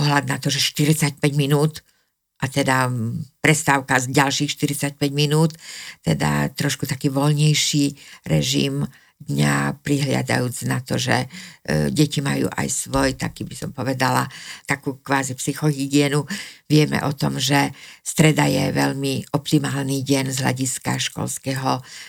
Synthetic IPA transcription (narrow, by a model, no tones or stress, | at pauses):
pɔɦlad̪nat̪ɔʒɛʃt̪iɾit͡sac̚pɛɟminuːt̪ | ʔat̪ɛd̪apɾɛst̪aʊkaɟalʃiːxʃt̪iɾit͡sac̚pɛɟminuːt̪t̪ɛd̪a̰t̪ɾɔʃkut̪akiːʋɔlɲɛjʃiːɾɛʒḭm | d̪ɲapɾiɦlɪa̰d̪a̰juːt͡snat̪ɔʒɛ̰ | ɟɛcima̰jṵːʔa̰jsʋɔjt̪a̰kiːbisɔmpɔʋɛd̪alat̪akuːkʋaːzipsixɔɦiɡɪɛnuʋɪɛmɛ̰ʔɔt̪ɔmʒɛst̪ɾɛd̪ajɛʋɛʎmiɔpt̪imaːlniːɟɛnzɦla̰ɟiska̰ʃkɔ̰lskɛɦɔ